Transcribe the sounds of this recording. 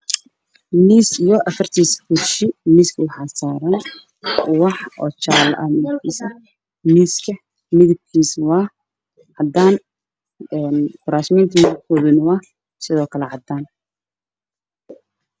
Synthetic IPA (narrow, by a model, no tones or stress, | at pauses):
miːsijɔʔɐfɐrt̪ʰiːsbʊʃɪmiːskʰɐwɑħɑːsaːɾɐn | wɑħɔ̰ːt͡ʃaːlʔɐhmɪðɪbkʰiːsɐ | miːskʰɐ | mɪðɪb̚kʰiːswɑː | ʕɑd̪aːn | ɛːnkʊɾaːʃmɛnt̪ʰimɪbkʰɔːðʊnɐwɑːh | sɪðɔːkʰɐlɛʕɑd̪aːn